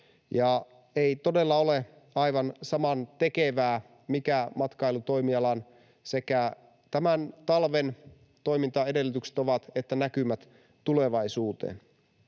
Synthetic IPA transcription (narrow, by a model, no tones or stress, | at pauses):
jɑ | eit̪o̞delːɑole | ɑjʋɑnsɑmɑnt̪e̞keʋæː | mikæmɑt̪kɑilut̪o̞imiɑlɑn | sekæ | t̪æmænt̪ɑlʋen | t̪oijmint̪ɑe̞de̞lːyt̪ykse̥t̪oʋɑt̪et̪ːænækymæt̪ | t̪ule̞ʋɑisuːt̪ḛːn